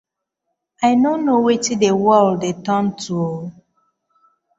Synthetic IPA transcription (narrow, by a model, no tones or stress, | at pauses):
aɪnõnowetidewɔldetɔntʰuo